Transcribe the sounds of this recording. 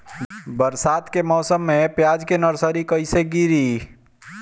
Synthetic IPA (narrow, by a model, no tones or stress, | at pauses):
bəɾsaːt̪kemɔːsəmːẽpjaːd͡ʒkenəɾsəɾikəiseɡiɾiː